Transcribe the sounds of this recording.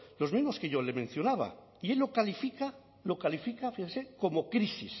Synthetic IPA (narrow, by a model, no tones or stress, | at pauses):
lo̞zmizmo̞skeʝolemẽ̞n̟θjo̞naβa̰ | ie̞lːokalifika | lokalifikafixenseko̞mokɾisis